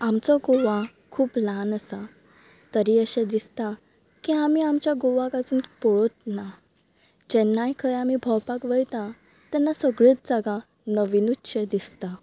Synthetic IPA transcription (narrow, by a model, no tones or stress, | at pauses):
amt͡sɔɡoʋa | kʰuːplãnəsa | t̪əɾiəɕẽd̪ist̪a | kiamiamt͡ɕjaɡoʋãkat͡suːnpɔɭot̪̚na | d͡ʑɛnːajkʰəjamibʱɔwpakʋəjt̪ã | t̪ɛnːasəɡɭet͡sd͡zaɡã | nəʋinutɕed̪ist̪a